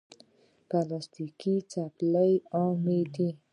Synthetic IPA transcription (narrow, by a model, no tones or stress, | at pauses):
kalast̪ikit͡sapləjamed̪i